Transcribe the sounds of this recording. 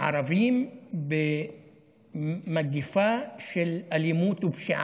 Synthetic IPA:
ʕɑ̰ɾˤɑviːmbɪ | maɡɪfaʃɪlʔalɪmuːt̪wɪbʃɪʕ

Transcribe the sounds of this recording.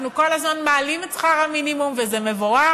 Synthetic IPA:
nuko̞lazmanmaːlimet͡sχaʁhaminimumvezeme̞voʁa

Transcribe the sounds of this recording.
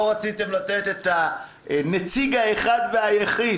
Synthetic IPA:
ʁat͡site̞mlatet̪e̞t̪a | net͡siɡaeχadveajeχi

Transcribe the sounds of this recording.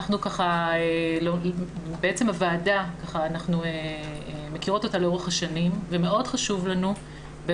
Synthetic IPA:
aχnukaχaelobeet͡semhavaːdakaχaːnaχnueemekiʁo̞t̪o̞t̪aleo̞ʁeχhaʃanimveme̞ʔo̞dχaʃuvlanu | be

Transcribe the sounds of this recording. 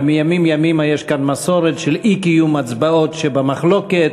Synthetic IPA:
mijamimjamimajeʃkanmaso̞ɾet̪ʃelikijumat͡sbao̞tʃebamaχlo̞ket̪

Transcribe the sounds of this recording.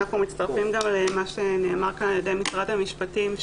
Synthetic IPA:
aχnumit̪t͡st̪aʁfimɡamlemaʃe̞neːmaʁkanaljedejmisʁadhamiʃpatim

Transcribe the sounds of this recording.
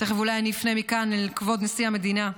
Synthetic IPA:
teχevulajanifnemikanekvo̞d̪nesihame̞d̪ina

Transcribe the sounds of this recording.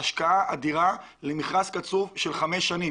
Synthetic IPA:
aʃkaaʔad̪iʁa | lemiχʁaskat͡suvʃe̞lχameʃːani

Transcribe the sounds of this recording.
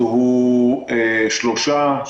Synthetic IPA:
ɦu | eʃloʃa

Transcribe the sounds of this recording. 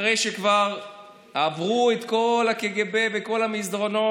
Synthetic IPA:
ʁejʃekvaʁ | havʁuet̪ko̞lakeɡebeveko̞lhamisd̪ʁo̞no̞

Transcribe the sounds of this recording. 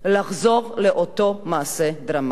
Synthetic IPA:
laχzo̞ʁleʔotomaːsedʁam

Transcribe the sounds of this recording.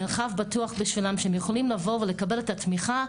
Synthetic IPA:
elχavbatuaχbiʃvilamʃeemjeχolimlavo̞vele̞kabe̞le̞t̪at̪miχa

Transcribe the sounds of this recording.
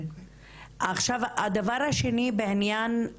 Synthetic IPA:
ʔaχʃavad̪avaɾhaʃenibeʕinjan

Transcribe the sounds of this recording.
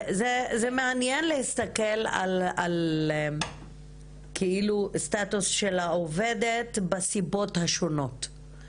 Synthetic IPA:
zezemeanjenlehist̪ake̞la̰lal | kʰeilust̪atusʃelaove̞detbasibo̞thaʃo̞no̞t

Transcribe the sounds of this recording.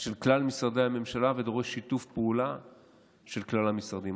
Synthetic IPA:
ʃe̞lklalmisʁad̪ehame̞mʃalave̞d̪o̞ʁeʃːit̪ufpeula | ʃe̞lklalamisʁd̪im

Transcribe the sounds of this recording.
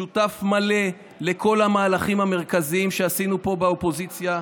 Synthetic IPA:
utafmale̞ | le̞kʰo̞lamaːlaχimhame̞ʁkaziimʃeasinupo̞beopo̞zit͡sja

